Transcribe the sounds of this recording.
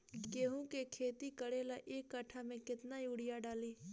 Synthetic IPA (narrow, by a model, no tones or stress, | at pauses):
ɡeːɦõkekʰeːt̪ikəɽeːlaʔeːkːəʈʰamẽkɪt̪najuɽɪjaɖaːliː